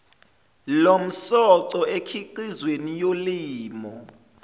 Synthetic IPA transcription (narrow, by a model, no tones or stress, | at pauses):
lom̩sɔǀɔekʰiǃizwenijoliːmɔ